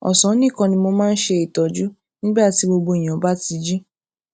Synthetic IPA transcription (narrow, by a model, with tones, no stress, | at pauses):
ɔ̰˨sɔ̃˨˦nĩ˦˨kã˧nĩ˧mo˧mãː˦˧n̩˦ʃe˧i˨tɔ˨d͡ʒu˦ | nĩ˦ba˦˨ti˨˦bo˧bo˧i˨j̃ã˨˦ba˦ti˧d͡ʒi˦